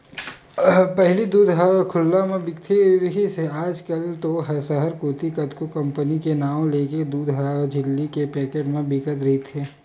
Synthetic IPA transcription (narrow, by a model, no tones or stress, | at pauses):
pɛɦlid̪uːd̪ʱɦəkʰʊlːamẽbɪkt̪ʰiɾɦiseaːd͡ʒkɐlt̪oɦɐsəɦəɾkoːt̪ikɐd̪kokɐ̃mpənikenaːw̃leːked̪uːd̪ʱɦəd͡ʒɪlːikepɛːkeʈmẽbʱɪkət̪ɾɐɦit̪ʰeː